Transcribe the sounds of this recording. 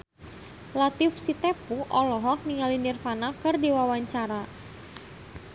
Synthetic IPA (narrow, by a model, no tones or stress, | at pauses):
lat̪ifsit̪ɛpuʔɔlɔɦɔk̚niŋalinirfanakɨrdiwawaɲt͡ʃaɾa